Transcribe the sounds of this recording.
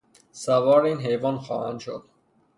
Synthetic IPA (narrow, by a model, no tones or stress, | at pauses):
sævɒːɾiːnɦejvɒːnxɒ̰ːhænd̪ʃo̰d̪̥